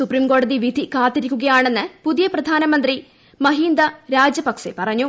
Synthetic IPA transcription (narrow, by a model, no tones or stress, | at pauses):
suprimko̞ːɽɐðiʋid̪ʱikaːt̪ːiɾikʲːuɡɐjaːɳe̞nːɨpuðijɐprɐd̪ʱaːnɐmɐnd̪ri | mɐɦiːnd̪ɐɾaːd͡ʑjɐpɐkʂḛpɐrɐɲːu